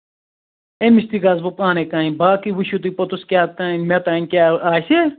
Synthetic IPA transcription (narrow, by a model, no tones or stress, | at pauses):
emist̪ikaːzbupãːnekãːĩbaːkiwuʃut̪̬ipɐt̪uskʲjaːt̪ãmet̪ãːnʲkʲaːaːse